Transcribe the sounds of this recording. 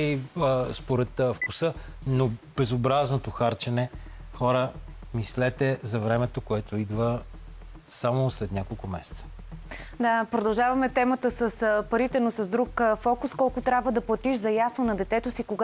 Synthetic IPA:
ispoɾɛt̪fkusɤnob̥ɛzobɾaznot̪oxaɾt͡ʃɛnɛ | xɔɾə | mislɛt̪ɛzɐvɾɛmɛt̪okoɛt̪oid̪və | samoslɛt̪nʲakolˠkʊmɛ̰sɛ̥t̪sə̥ | d̪apɾod̪ɐlˠʒavɐmɛt̪ɛmət̪əsəspɐɾit̪ɛnosɐzd̪ɾukfɔkʊskɔlˠkʊt̪ɾʲabvəd̪ɐplˠɐt̪iʃzɐjasnonɐd̪ɛt̪ɛt̪ʊsikoɡ

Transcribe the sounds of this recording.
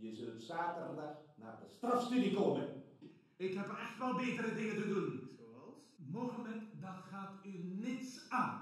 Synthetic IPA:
jəzɵltsaːtərdaxna̰ːdəstrɑfstydikoːmən | ɪkhɛpɛxtʋɛlˠbeːtəɾədɪŋətədun | moɣəmɛntdɑtχaːtynɪtsaːn

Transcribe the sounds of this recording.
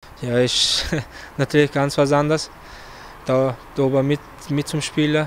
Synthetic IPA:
jaːɪʃ | natʰyːɐlɪçɡ̥ant͡sv̥as̬andɐs | d̥adoːbɐmɪt | mɪt̚t͡sʊmʃpiːlɐ

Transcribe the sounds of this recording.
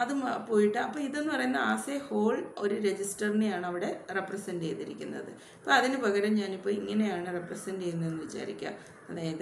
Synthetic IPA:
ɐðɨpo̞ːjiʈːɨɐpːoːiðe̞nːɨpɐrɐjunːɐaːseho̞ːɭo̞ɾuɾe̞d͡ʑisʈɐrinejaːɳɨɐʋiɽe̞reprɐsɐndḛjt̪iɾikʲːunːɐ̰ðɨ̰ | pːoːɐðinɨpɐɣɐɾɐmɲaːnipːo̞ːiŋːɐne̞jaːɳɨreprɐsɐnɖejunːue̞nːɨʋit͡ɕːa̰ːɾikʲːa̰ | ɐðeːɐðe

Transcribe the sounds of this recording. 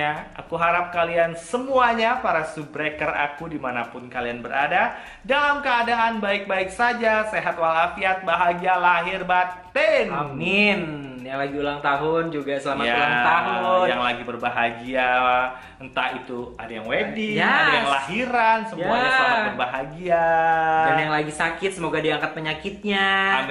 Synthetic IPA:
aa̰kuɦaɾap̚kaliansəmuaɲapaɾasubɾekəra̰kudimanapʊnkalianbəɾʔada | dalamkəadaŋanbaɪk̚baɪksad͡ʒaseɦat̪walafiat̪̚baɦaɡialaɦɪrbat̪ɛnamin | jaŋlaɡiulaŋt̪aɦʊnd͡ʒuɡasəlamaaulaŋt̪aɦʊjaŋlaɡibərbaɦaɡia | ənt̪ait̪ua̰dajaŋwedɪŋaadajaŋlaɦiɾansəmuuaaapərbaɦaɡiadajaŋlaɡisakɪt̪̚səmoɡadiaŋkat̪̚pəɲakɪt̪̚ɲaam

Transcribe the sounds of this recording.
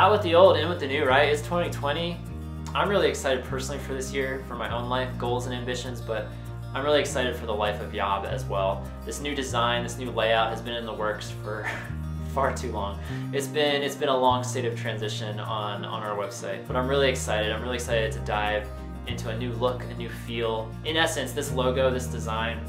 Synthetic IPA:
aʊt̚wəðioʊlˠdɨ̃nwɨððɨnʉɹaɪtɨtstʰw̥ɛ̃ɾ̃itʰw̥ɛ̃ɾ̃i | ãɪ̃mɹɪlˠiɨksaɪɾɨd̚pʰɜ˞sn̩l̩ˠifə˞ðɪsjɪɹfə˞maɪʔõʊ̃nlaɪfɡ̥oʊlˠzə̃ñæ̃mbɪʃɨ̃nzbʌɾ | ãɪ̃mɹɪlˠiɨksaɪɾɨd̥fə˞ðəlaɪfʌvjɑ̰bɨ̰zwɛlˠ | ðɪsnʉdɨzãɪ̃nðɪsnʉleɪaʊt̚hɨzbɨ̃nɨ̃nðəwɜ˞ksfə˞ | fɑɹtʰʉlɔ̃ŋ | ɨtsb̥ɪ̃nɨtsb̥ɨ̃nəlɔ̃ŋsteɪɾʌv̥tʰɹ̥æ̃nzɪʃɨ̃nə̃nə̰̃naʊə˞wɛb̥saɪt̚b̥ʌɾãɪ̃mɹɪlˠiɨksaɪɾɨɾãɪ̃mɹɪlˠiɨksaɪɾɨd̚tʰɨdaɪv | ɪ̃ntʰʉɨnʉlʊkʰɨnʉfilˠ | ɨ̃nɛsɨ̃nsðɪsloʊɡoʊðɪsd̥ɨzãɪ̃n

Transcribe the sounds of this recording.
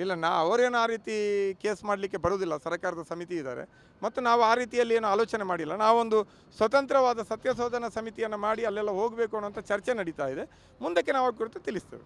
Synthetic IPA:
ilːɐnaːɐʋɐɾe̞ːnuaːɾiːt̪ike̞ːsmaːɽlikːe̞bɐɾoːd̪ilːɐsɐɾkaːɾɐd̪ɐsɐmit̪iːd̪a̰ːɾḛ | mɐt̪ːunaːʋuaːɾiːt̪ijɐlːieːnuaːloːt͡ʃɐnemaːɽilːɐnaːʋuond̪u | sʋɐt̪ɐnt̪ɾɐʋaːd̪ɐsɐt̪jɐsoːd̪ʱɐnɐsɐmit̪ijɐnːɐmaːɽiɐlːɛlːɐɦo̞ːɡbeːkuɐnːuʋɐnt̪ɐt͡ʃɐɾt͡ʃenɐɽit̪aːjid̪e̞ | mund̪ɐkːenaːʋaːɡ̚kːuɾt̪et̪ilist̪ḛːʋi

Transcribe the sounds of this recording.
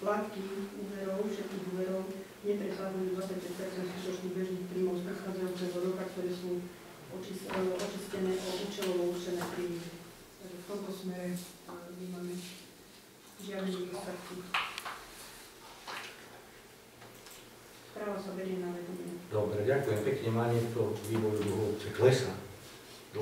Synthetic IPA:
plat̪kiuːʋɛɾɔʊfʃɛt̪̚kiːɣuːʋɛɾɔʊ | ɲɛpɾɛsad͡zajud̪ʋat͡sac̚pɛcpɛɾt͡sɛnd̪skut̪ɔt͡ʃnibɛʒniːxpɾiːmɔʊspɾɛxaːd͡zajuːt͡sɛɦɔɾɔkakt̪ɔɾɛːsuː | ɔt͡ʃisʔɔt͡ʃiscɛnɛːʔɔʔuːt͡ʃɛlɔʊɔuʃt͡ʃɛnɛːpɾiːmɛ | t̪aɡʒɛft̪ɔmt̪ɔsmɛɾɛt̪aɲɛmaːmɛ | ʒɪad̪niɔst̪at̪ki | spɾaːʋasabɛɾjɛnaʋɛd̪ɔmɛɲɛd̪ɔbɾɛɟakujɛmpɛkɲɛmaːɲɛkt̪ɔʋiːʋɔjud̪uɦɔut͡sɛklɛsa | d̪

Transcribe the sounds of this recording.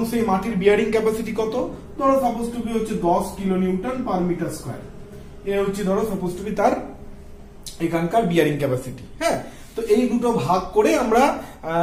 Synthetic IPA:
ŋʃejmaʈiɾbiaɾiŋkɛpasiʈikɔt̪o | d̪ʱɔɾosaposʈubiɦotːt͡ɕʰed̪ɔskiloniwʈanpaɾmiʈaɾska̰e | eɦotːɕʰed̪ʱɔɾosɔposʈubit̪aɾ | ekʰankaɾbiaɾiŋkɛpasiʈiɦɛ̃ | t̪oʔejɡuʈobʱaɡ̚koɾeamɾa

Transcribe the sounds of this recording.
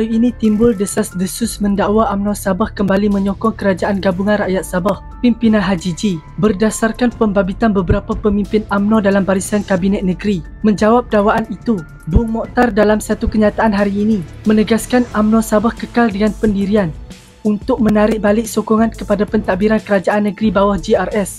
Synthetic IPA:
aɾiinĩt̪imbʊldəsasdəsʊsməndawaʔamnɔsabahkəmbalimə̃ɲɔkɔŋkəɾad͡ʒaʔanɡabuŋãnraʔjat̪̚sabah | pimpinãnɦad͡ʒid͡ʒi | bərdasarkanpəmbabit̪anbəbəɾapapəmĩmpɪnamnɔdalambaɾisankabinɛt̪̚nəɡɾi | mə̃ɲd͡ʒawap̚dawaʔanit̪u | bʊŋmɔt̪ardalamsat̪ukəɲat̪aʔanɦaɾiːni | mə̃nəɡaskanamnɔ̃sabahkəkaldəŋanpəndiɾian | unt̪ʊk̚mənaɾɪʔ̚balɪʔ̚sɔkɔŋankəpadapənt̪abiɾankəɾad͡ʒaʔanːə̃ɡɾibawahd͡ʒiarɛs

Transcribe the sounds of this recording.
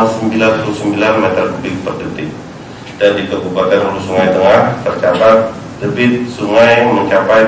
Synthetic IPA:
səmbilanpulusəmbilanmɛt̪ərkubɪk̚pərdət̪ɪk̚ | dandikəbubak̪anulusuŋajt̪əŋaht̪ərt͡ʃabat̪̚ | dəbɪt̪̚suŋajməɲt͡ʃapaj

